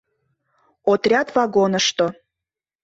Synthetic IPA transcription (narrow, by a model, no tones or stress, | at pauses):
ot̪rʲɑt̪vɑɡonəʃt̪o